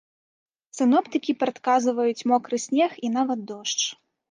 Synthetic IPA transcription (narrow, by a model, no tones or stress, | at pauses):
sɨnɔpt̪ɨkʲipɾɐt̪kazɨvɐjut͡sʲmɔkɾɨsʲnʲɛxin̪avɐt̪̚d̪ɔʂt͡ʂ